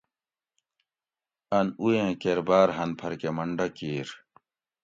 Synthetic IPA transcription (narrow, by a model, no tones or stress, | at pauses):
ɐnuẽkeɾbaːɾɦɐnpʰɐɾkemɐɳɖɐkiːɾ